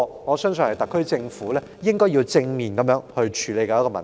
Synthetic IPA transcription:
ŋɔː˨˧sœː˥ŋsɵ˧˨nhɐ˨jt̪ɐ˨kʰːɵ˥ɥt͡sɪ˧ŋfuː˨˥lɛː˥jɪ˥ŋkɔː˥jiː˧wt͡sɪ˧ŋmiː˨˩nkɐ˨˧mjœː˨˧˥ŋhɵ˧ɥt͡ʃʰyː˨˧le˨˧jkɐː˨˧jkɔː˧mɐ̰˨˩

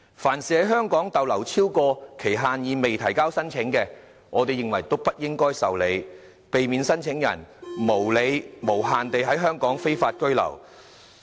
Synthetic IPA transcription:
faː˨˩nsiː˨hɐ˨˥jɦœː˥ŋkɔː˨˥ŋt̪ɐ˨wlɐ˨˩wt͡sʰiː˥wkɔː˧kʰe˨˩jɦaː˨njiː˨˧me˨jt̪ʰɐ˨˩jkaː˥wsɐ˥nt͡ʃʰɪ˨˥ŋkɛː˧ | ŋɔː˨˧t̪e˨jɪ˨ŋwɐ˨˩jt̪o˥wpɐ˥t̚jɪ˥ŋkɔː˥jsɐ˨wle˨˧j | pe˨jmiː˨˧nsɐ˥nt͡sʰɪ˨˥ŋjɐ̰˨˩nmo˨˩wle˨˧jmo˨˩wɦaː˨nt̪e˨jɦɐ˨˥jɦœː˥ŋkɔː˨˥ŋfe˥jfaː˧t̚kɵ˥ɥlɐ̰˨˩w

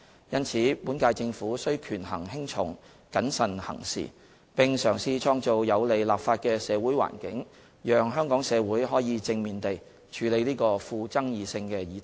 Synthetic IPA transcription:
jɐ˥nt͡sʰiː˨˥puː˨˥nkaː˧jt͡sɪ˧ŋfuː˨˥sɵ˥ɥkʰyː˨˩nhɐ̰˨˩ŋhɪ˥ŋt͡ʃʰʊ̰˨˥˩ŋ | kɐ˨˥nsɐ˨nhɐ̰˨˩ŋsḭː˨˩ | pɪ˨ŋsœː˨˩ŋsiː˨˧t͡ʃʰɔː˧ŋt͡so˨wjɐ˨˧wle˨˧jlaː˨pfaː˧t̚kɛː˧sɛː˨˧wuː˨˥jwa̰ː˨˩nkɪ˨˥ŋ | jœː˨ŋɦœː˥ŋkɔː˨˥ŋsɛː˨˧wuː˨˥jɦɔː˨˥jiː˨˧t͡sɪ˧ŋmiː˨nt̪e˨j | t͡ʃʰyː˨˧le˨˧jliː˥kɔː˧fuː˧t͡sɐ˥ŋjiː˨˧sɪ˧ŋkɛː˧jiː˨˥t̪

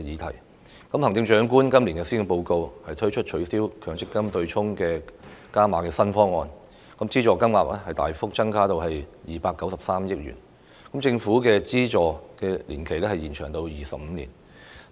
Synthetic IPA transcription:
jiː˨˧t̪ʰɐ̰˨˩j | kɐ˨˥mhɐ˨˩ŋt͡sɪ˧ŋt͡ʃœː˨˥ŋk̬uː˥nkɐ˥mli˨˩ŋkɛ˧si˥ŋ˨ŋpo˧wko˧whɐ˨jt̪ʰɵ˥ɥt͡ʃʰɵ˥t̚t͡ʃʰɵ˨˧˥ɥsiː˥wkʰœː˨˧ŋt͡sɪ˥kːɐ˥mt̪ɵ˧ɥt͡sʰʊ˥ŋkɛː˧kaː˥maː˨˧kɛː˧sɐ˥nfɔː˥ŋɔː˧n | kɐ˨˦mt͡siː˥t͡ʃɔː˨˧kɐ˥mŋaː˨˩p̚lɛː˥hɐ˨jt̪a̰ː˨jfʊ˥k̚t͡sɐ˥ŋkʰaː˥t̪o˨wɦɐ˨jjiː˨paː˧kːɐ˨˥wsɐ˨p̚saː˥mjɪ˥k̚jy̰ː˨˩n | kɐ˨˥mt͡sɪ˧ŋfuː˨˥kɛː˧t͡siː˥t͡ʃɔː˨kɛː˧liː˨˩nkʰe˨˩jlɛː˥hɐ˨jiː˨˩nt͡ʃʰœː˨˩ŋt̪o˧wjiː˨sɐ˨p̚m̩ː˨˧nḭː˨˩n

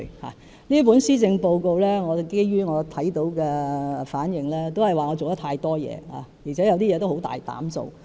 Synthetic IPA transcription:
ha̰ː˨˩ | niː˥p̬uː˨˥nsiː˥t͡sɪ˧ŋpo˧wko˧wlɛː˥ŋɔː˨˧ke˥jɥyː˥ŋɔː˨˧t̪ʰɐ˨˥jt̪o˨˥wkɛː˧˨faː˨˥njɪ˨ŋlɛː˥t̪o˥whɐ˨jwaː˨ŋɔ˨˧t͡so˨wt̪ɐ˥t̪ʰaː˧jt̪ɔː˥jɛ̰ː˨˧ha̰ː˨˩jiː˨˩t͡sʰɛ˨˥jɐ˨˧wt̪iː˥ɛ˨˧t̪o˥who˨˥wt̪a̰ː˨jt̪a̰ː˨˥mso̰˨˧w

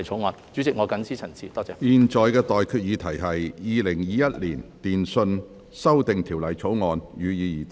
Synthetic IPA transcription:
jt͡ʃʰo˨˧˥wŋɔː˨˧nt͡ʃy˨˥t͡sɪ˨k̚ŋɔː˨˧kɐ˨˥nsiː˥t͡sʰɐ˨˩nsiː˨˩t̪ɔː˥t͡sɛː˨˧jiː˨nt͡ʃɔː˨jkɛː˧t̪ɔː˨jkʰyː˧t̚jiː˨˧t̪ʰɐ˨˩jɦɐ˨jːiː˨˧lɪ˨˩ŋjiː˨˧jɐ˥t̚liː˨˩nt̪iː˨nsɵ˧n | sɐ˥wt̪ɪ˨ŋt̪ʰiː˨˩wlɐ˨˩jt͡sʰo˨˥wŋɔː˨˧njyː˨˧jiː˨˧jiː˨˩

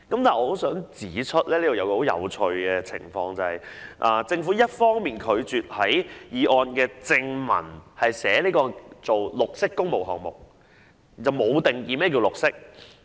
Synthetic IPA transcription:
kɐ˨˥mt̪aː˨˩ʔɔː˧ho˨˥wsœː˨˥ŋt͡siː˨˥t͡ʃʰɵ˥t̚lɛː˥leː˥o˨jɐ˨˧wkɔː˧ho˨˥wjɐ̰˨˧wt͡ʃʰɵ˧ɥkɛː˧t͡sʰɪ̰˨˩ŋfɔː˧ŋt͡sɐ˨˩hɐ˨jʔaː˨˩t͡sɪ˧ŋfu˨˥jɐ˥t̚fɔː˥ŋmiː˨nkʰɵ˨˧ɥt͡syː˨t̚hɐ˨˥jjiː˨˧ʔɔː˨˧nkɛː˧t͡sɪ˧ŋmɐ̰˨˩nhɐ˨jsɛː˨˥liː˥kɔː˧t͡so˨wlʊ˨k̚sɪ˥kːʊ˥ŋmo˨wɦɔː˨ŋ̚mʊ̰˨k̚ | t͡sɐ˨wmo˨˧wt̪ɪ˨ŋjiː˨˧mɛː˥˩k̬i˧wlʊ˨˩k̚sɪ˥k̚

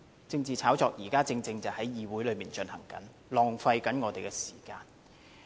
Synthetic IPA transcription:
t͡sɪ˧ŋt͡siː˨t͡sʰaː˨˥wt͡sɔː˨k̚jiː˨˩kaː˥t͡sɪ˧ŋt͡sɪ˧ŋt͡sɐ˨whɐ˨˥jjiː˨˧wuː˨˥jlɵ˨˧miː˨nt͡ʃɵ˧nhɐ̰˨˩ŋkɐ̰˨˥n | lɔː˨ŋfɐ˧jkɐ˨˥nŋɔː˨˧t̪e˨jkɛ˧si̥ː˨˩kaː˧n

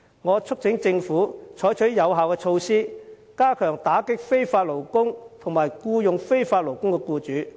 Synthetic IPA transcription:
ŋɔː˨˧t͡ʃʰɵ˥k̚t͡sɪ˨˧˥ŋt͡sɪ˧ŋfuː˨˥t͡ʃʰɔː˨˥jt͡ʃʰɵ˨˥ɥjɐ˨˧wɦaː˨wkɛː˧t͡ʃʰo˧wsiː˥ | kaː˥kʰœː˨˩ŋt̪aː˨˥kɪ˥k̚fe˥jfaː˧t̚lo˨˩wkʊ˥ŋt̪ʰʊ˨˩ŋmaː˨˩jkuː˧jʊ˨ŋfe˥jfaː˧t̚lo˨˩wkʊ˥ŋkɛ˧kuː˧t͡ʃyː˨˧˥

